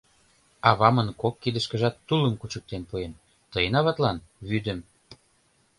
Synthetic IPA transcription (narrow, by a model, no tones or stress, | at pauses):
ɑβɑmənkokːid̪ə̆ʃkə̆ʒɑt̪ːulə̆mkut͡ɕək̚t̪enpuen | t̪əjənɑβɑt̪lɑnβyd̪ə̆m